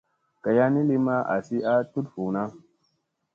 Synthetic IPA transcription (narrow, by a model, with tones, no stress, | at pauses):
ka˨ja˦ni˦li˦ma˦ʔa̰˨si˦a˦tu˦tfu˨na˦